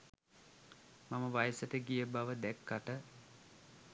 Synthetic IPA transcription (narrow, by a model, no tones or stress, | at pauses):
maməʋajəsəʈəɡijəbaʋəd̪ɛkːaʈə